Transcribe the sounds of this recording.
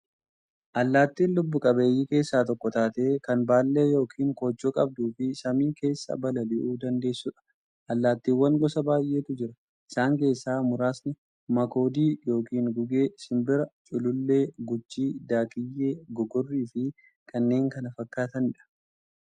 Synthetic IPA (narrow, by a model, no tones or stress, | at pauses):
ʔɐlːaːt̪ːiːnlʊbːʊkʼɐbe̞ːjːiːke̞ːsːaːt̪ɔkːɔt̪aːt̪e̞ːkɐnbaːlːe̞ːjo̞ːkʰiːŋko̞ːd͡ʒːoːkʼɐb̚d̪uːfɪsɐmiːke̞ːsːɐ̰bɐlɐlɪʔuːd̪ɐnd̪e̞ːsːʊᶑɐ̥ | ʔɐlːaːt̪ːiːwːɐŋɡɔsɐbaːjʔe̞ːt̪ʊd͡ʒɪɾɐ | ʔɪ̥saːŋke̞ːsːaːmʊɾaːsnɪ | mɐko̞ːd̪iːjo̞ːkiːŋɡʊɡe̞ːsɪmbɪɾɐt͡ʃʼʊlʊlːe̞ːɡʊd͡ʒːiːd̪aːkʼɪjːe̞ːɡɔɡɔrːiːfɪ | kʰɐnːe̞ːŋkɐnɐfɐkːaːt̪ɐnɪᶑɐ̥